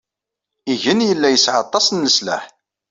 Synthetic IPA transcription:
iʝənjəlːæjəsʕɑt̪ˤːɑsˤnːəslæ̰ħ

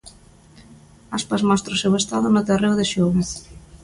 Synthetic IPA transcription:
aspazmɔst̪ɾoʊsewest̪aðʊnʊt̪erewðeʃoβas

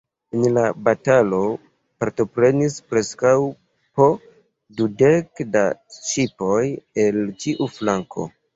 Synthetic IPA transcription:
enlabatalo̞ | paɾto̞pɾe̞nispɾe̞skaw | po̞ | dude̞kda̰t͡ʃipo̞je̞ltiʔuflaŋkʰo̞̰

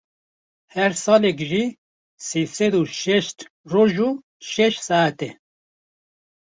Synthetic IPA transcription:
hɛɾsɑːlɛkʒi | sisɛd̪uʃɛʃt̪roʒu | ʃɛʃsɑæt̪ɛ

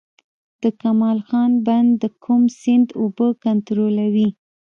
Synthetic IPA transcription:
d̪̥əkamɑlxɑnband̪əkʰumsɪnd̪obəkant̪ɾolawi

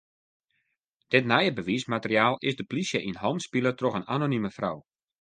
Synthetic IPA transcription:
d̥ɪtnajəbəʋiːsmatərjaːlˠɪzdəplisjəʔinɦɔwmspilətroxənanonyməfrɔ̰w

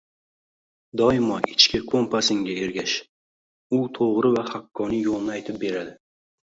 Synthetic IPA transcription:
d̪ɒjɪmɒɪt͡ʃkʲɪkʰompasɪŋɡʲae̞ɾɡʲaʃ | ʊt̪ʰoʁɾɪvahakʰːɒnɪjolˠnajt̪ʰɪp̚be̞ɾad̪ɪ

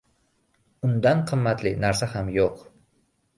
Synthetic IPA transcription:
ʊnd̪anqʰɨmːat̪lɪnaɾsahamjoq

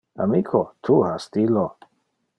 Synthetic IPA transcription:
a̰mikʰot̪ʰuhastilo

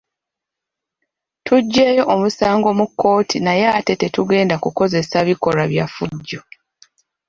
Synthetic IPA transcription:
tʰuɟːe̞ːjo̞ʔomusaːŋɡo̞mukːo̞ːtʰinajaːte̞te̞tuɡe̞ːndakuko̞ze̞saβiko̞ɾaβjafuɟːo̞

